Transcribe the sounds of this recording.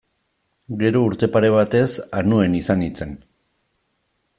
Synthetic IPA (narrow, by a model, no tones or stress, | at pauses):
ɡe̞ɾo̞uɾt̪e̞paɾe̞β̞at̪e̞sanue̞nisanit͡se̞n